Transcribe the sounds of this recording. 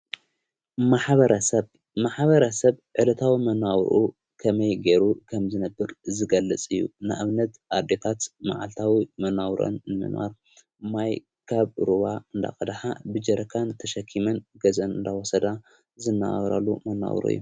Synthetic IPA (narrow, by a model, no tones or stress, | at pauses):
maħβɐɾɐsɐ | maħβɐɾɐsɐβʕɨlɐt̪ʰawimɐnawʔu | kʰɐmɐjɡeɾukʰɐmzɨnɐbːɨɾzɨɡɐlːɨt͡sʼɨjːṵnɨʔaβnɐt̪ʔad̪et̪ʰat̪ma̰ʕalt̪ʰawimɐnawɾo̰nːɨmɨ̰nwa̰ɾ | maj | kʰaβɾuβaɨnd̪a̰kʼɐd̪aħabɨd͡ʒɐɾʔɐkʰant̪ʰɐʃɐkʰːimɐnɡɐzɐnɨnd̪awɔsɐd̪a | zɨnːa̰ɾa̰lːumɐnːa̰wɾṵɨ̰jːu